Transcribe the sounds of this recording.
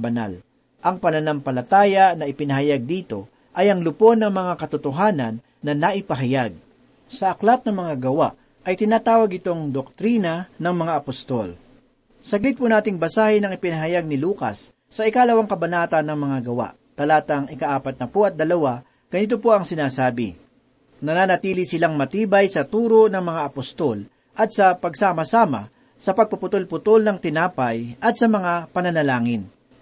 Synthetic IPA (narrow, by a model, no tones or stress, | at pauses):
bɐna̰l | ʔɐŋpɐnɐnampɐlɐt̪aːjɐnɐɪpɪnɐɦɐjaɡ̚d̪iːt̪o̞ | ʔɐjɐŋlʊpo̞nɐŋmɐŋakɐt̪ʊt̪oɦaːnɐnːɐnaʔɪpɐɦɐjaɡ̚ | sɐʔɐklat̪̚nɐmɐŋaɡɐwaʔ | ʔɐjt̪ɪnaːt̪aːwɐɡɪt̪o̞ŋd̪ok̚t̪ɾiːnɐnɐŋmɐŋaʔɐpost̪o̰l | sɐɡlɪt̪̚pʊnaːt̪ɪŋbɐsaːhɪnɐŋɪpɪnɐɦɐjaɡ̚nɪluːka̰sː | ɐʔɪkaːlɐwaŋkɐbɐnaːt̪ɐnːɐŋmɐŋaɡɐwa̰ʔ | t̪ɐlaːt̪ɐŋɪkaʔaːpɐt̪̚nɐpoʔɐt̪̚d̪ɐlɐwa | ɡ̥ɐnɪt̪̬opo̞ʔɐŋsɪnaːsaːbɪ̰ | nɐnaːnɐt̪iːlisɪlaŋmɐt̪iːbɐjsɐt̪uːɾonɐŋmɐŋaʔɐpost̪o̞l | ʔɐt̪̚sɐpɐɡ̚saːmɐsaːma̰ | sɐpɐɡ̚pɐpʊt̪olpʊt̪olnɐŋt̪ɪnaːpɐjʔɐt̪̚sɐmɐŋapɐnɐnɐlaːŋɪn